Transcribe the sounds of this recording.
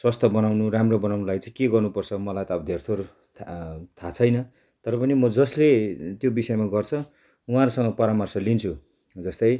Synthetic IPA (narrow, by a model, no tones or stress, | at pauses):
swʌst̪ʰʌbʌnawnuɾamrʌbʌnawnulajt͡sãĩkeɡʌrnupʌrt͡sʰʌmʌlajt̪ʌʌbʌd̪ʱert̪ʰorʰ | t̪ʰat͡sʰʌjnʌ | t̪ʌɾʌpʌnimʌd͡zʌslet̪jobisʌjemaɡʌrt͡sʰʌ | uɦãɾusʌŋɡʌpʌɾamʌrsʌlint͡sʰu | d͡zʌst̪ʌj